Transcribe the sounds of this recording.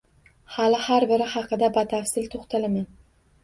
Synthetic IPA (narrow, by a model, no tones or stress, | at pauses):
halɪhaɾbɪɾɪhɑqʰɨd̪abat̪ʰafsɪlt̪ʰoχt̪ʰalaman